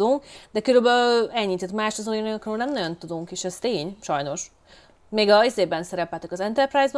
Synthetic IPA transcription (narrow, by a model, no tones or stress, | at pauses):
uŋkd̪ɛkøɾybɛɛɲːiːt̪ɛt̪maːʃt̪ɒzojinøkrøːlnɛmnɒɟo̞nt̪ud̪uŋkeːʃɛst̪eːɲʃɒjno̞ʃ | meːɡɒizeːbɛnsɛɾɛpɛlt̪ɛkɒzɛnt̪ɛrpraːjzb